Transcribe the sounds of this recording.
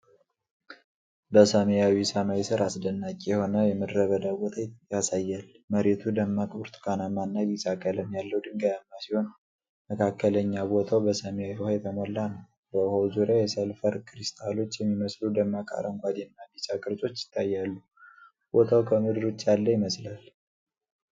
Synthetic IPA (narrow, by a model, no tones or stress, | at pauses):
bəsəmejawisamawisɨɾasd̪ənːakʼjɛho̞nəjɛməd̪ɾəβəd̪abot̪ʰajasajːal | məɾet̪ʰud̪əmːakʼuɾt̪ʰkʰanamanːaβisʼakʼələmjalːəhwd̪ɨŋɡajamːasiho̞n | məkʰakːələɲːabot̪ʰawbəsəmejawihajɛt̪ʰəmɔlːanəw | bəuhowzuɾjajɛsəlfəɾkʰʼɾist̪ʼʰalo̞t͡ʃːjɛmːiməslud̪əmːakʼa̰ɾʔəŋɡʷʼad̪jɛnːabit͡ʃʼakʼɨɾt͡ʃʼo̞t͡ʃːjɪ̥t̪ʰːajːalːu | b̥o̞t̪ʰawkʰəmɨd̪ɨɾot͡ʃːjalːəjɪməslal